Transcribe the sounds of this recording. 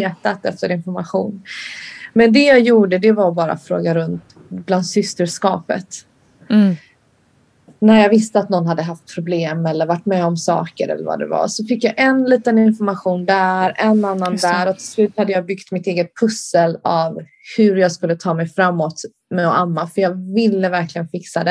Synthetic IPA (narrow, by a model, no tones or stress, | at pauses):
eːt̪at̪ɛft̪əɾɪnfɔɾmaɧṵːn | mɛnd̪ɛjɑːjuːɖəd̪ɛvaɾbɑːɾa̰fɾo̰ːɡaɾɵnt̪ | bland̪sʏst̪əʂkɑ̰ːpə̰t̪ | næɾjɑːɡvɪst̪əat̪nɔnːɦad̪ːəɦaft̪̚pʰɾʊbleːmɛlːəɾvaʈːmɛːɔmsɑ̰ːkəɾɛ̰lːə̰ɾva̰d̪ɛ̰va̰sɔfɪkːjaːʔɛnliːt̪ənɪnfɔɾmaɧuːnd̪æɾɛnːanːand̪æɾɔt̪ʰɪ̥slʉ̟ːt̪had̪ːəjɑːbʏɡt̪mɪt̪eːɡət̪̚pʰɵsəlav | hɵɾjɑːɡskɵlːət̪ʰɑːmɛjfɾamːɔt̪ | mɛɔʔamːafœjɑːvɪlːəvæɾklɪɡənfɪksad̪ɛ